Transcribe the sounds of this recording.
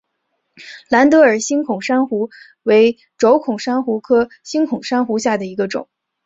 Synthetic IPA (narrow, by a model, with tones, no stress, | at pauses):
la˧˥nt̪ɤ˧˥ə˞˨˩ɕi˥ŋkʰʊ˨˩ŋʂa˥nxu˧˥ | we˧˥ɪ | ʈ͡ʂo˧˥ʊkʰʊ˨˩ŋʂa˥nxu˧˥kʰɤ˥ | ɕi˥nkʰʊ˨˩ŋʂa˥nxu˧˥ɕja˥˩d̪ə˩i˧˥ɡə˧ʈ͡ʂʊ̰˨˩˦ŋ